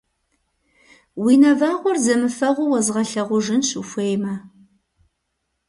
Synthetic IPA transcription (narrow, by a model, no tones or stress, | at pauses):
wiːnɐvaːʁʷʊrzɐmɨfɐʁʷʊwɐzʁɐɬɐʁʷʊʒɪnɕɨxʷejmɐ